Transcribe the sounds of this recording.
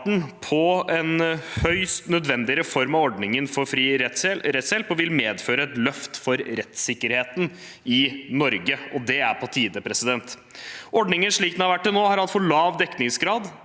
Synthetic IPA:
ʈɳ̩pʰɔɛnhœʏst̪nœd̪ʋɛnd̪ɪɾəfɔɾmɑɔɖnɪŋənfɔɾfɾiːɾɛɾɛt̪sɛlpɔʋɪlmeːd̪føːɾəɛt̪lœft̪fɔɾɾɛt̪sɪkːəɾheːt̪n | ɪnɔɾɡəɔd̪ɛæɾpʰɑt̪ʰiːd̪əpʰɾɛsɪd̪ɛnt̪ | ʔɔɖɳɪŋənʂɭiːk̚d̪nhɑɾʋæʈːɛnːoːhɑɾhɑlˠt̪fɔɭɑːʋd̪ɛkːnɪŋsɡɾɑːd̪

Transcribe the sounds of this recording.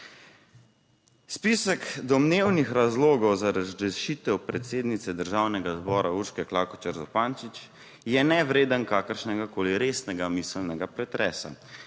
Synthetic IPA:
spisəkd̪ɔmneːwnixɾazloːɡɔwzaɾɛɾɛʃiːt̪ɛwpɾɛt̪seːd̪nit̪sɛd̪əɾʒaːwnɛɡazbɔːɾauɾʃkɛklakɔt͡ʃɛɾzɔpaːnt͡ʃit͡ʃ | jɛnɛʋɾeːd̪ənkaːkəɾʃnɛɡakoːliɾeːsnɛɡamisəlnɛɡapɾɛt̪ɾɛːsa̰

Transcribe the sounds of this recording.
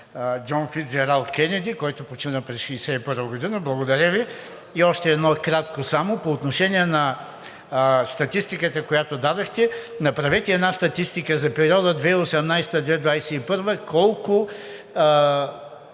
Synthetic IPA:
d͡ʒɔnfid̪zɛɾalˠt̪kɛnɛd̪ʲikɔjt̪opot͡ʃinəpɾɛsʃɛjsɛipəɾvɐɡod̪inəblˠɐɡod̪ɐɾʲəvi | iɔʃt̪ɛɛd̪nɔkɾat̪kosamopoːt̪noʃɛnʲiɛnɐ | st̪ɐt̪ist̪ikət̪əkojat̪od̪ad̪ɐxt̪ɛnɐpɾɐvɛt̪ɛɛd̪nast̪ɐt̪ist̪ikəzɐpɛɾiɔd̪əd̪vɛiosɛmnajst̪ɐd̪vɛd̪vajsɛipɤɾvəkɔlˠkʊ

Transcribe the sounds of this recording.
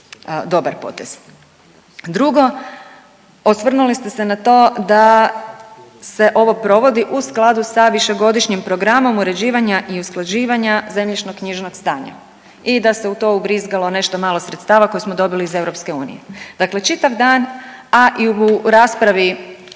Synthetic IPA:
d̪o̞baɾpo̞̰t̪e̞z̥ | d̪ɾuɡo̞ | osʋr̩nulist̪e̞se̞nat̪o̞ːd̪a | se̞ʔo̞ʋo̞pɾo̞ʋo̞d̪iʔusklˠad̪usaʋiʃe̞ɡo̞d̪iʃɲimpɾo̞ɡɾamo̞muɾe̞d͡ʑiːʋaɲaʔiusklˠad͡ʑiːʋaɲaze̞mʎit͡ʃnoɡkɲiʒnoɡ̥st̪aːɲa̰ | id̪ase̞ut̪o̞ːubɾizɡalo̞ne̞ʃt̪o̞maːlˠo̞sɾet̪st̪aːʋako̞jesmo̞d̪o̞biliːze̞ʋɾo̞pske̞uːnḭjḛd̪akle̞t͡ʃit̪aʋd̪aːnaʔiuɾaːspɾaʋi

